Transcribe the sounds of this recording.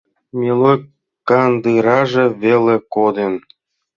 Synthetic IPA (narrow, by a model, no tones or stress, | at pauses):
mʲilo | kɑnd̪ɯɾɑʐĕβelʲĕkod̪en